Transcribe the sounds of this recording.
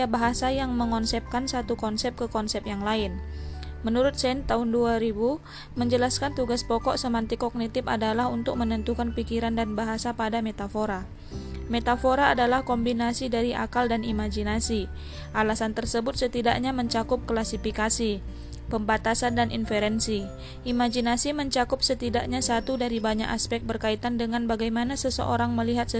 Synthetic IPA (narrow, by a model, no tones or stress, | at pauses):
abaɦasajaŋməŋɔnsɛp̚kansat̪ukɔnsɛp̚kəkɔnsɛp̚jaŋlaɪnmənuɾʊt̪̚sɛnt̪aʊnduaɾibu | məɲd͡ʒəlaskant̪uɡaspɔkɔʔsəmant̪ikɔk̚nit̪ɪpadalahunt̪ʊk̚mənənt̪ukanpikiɾandanbaɦasapadamɛt̪afoɾa | met̪afoɾaːdalahkɔmbinasidaɾiʔa̰kaldanimad͡ʒinasi | ʔalasant̪ərsəbʊt̪̚sət̪idaʔɲaməɲt͡ʃakʊp̚klasifikasi | pəmbat̪asandanʔḭnfɛɾɛnsi | ʔimad͡ʒinasiməɲt͡ʃakʊp̚sət̪idaʔ̚ɲasat̪udaɾibaɲa̰kaspɛk̚t̪̚bərkait̪andəŋanbaɡajmanasəsə̰ʔoɾaŋməliɦat̪̚sə